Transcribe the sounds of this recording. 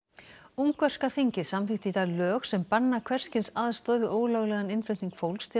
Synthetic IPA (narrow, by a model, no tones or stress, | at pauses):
umkvœr̥skaθiɲcɪðsamθɪht̪ɪit̪alœːxsɛmpanːakʰvɛr̥scɪnsaðst̪ɔːðvɪʔoːwlœɣlɛɣanɪnfɾɪt̪niŋkfowlst̪ʰɪ